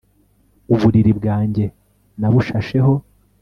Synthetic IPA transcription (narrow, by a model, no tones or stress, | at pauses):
uβuɾiɾibɡaːɲɟe̞ | naβuʃaʃe̞ho̞